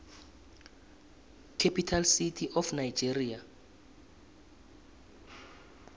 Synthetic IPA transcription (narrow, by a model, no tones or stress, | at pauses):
kʰepʰitʰalsitʰiʔɔfnajd͡ʒeria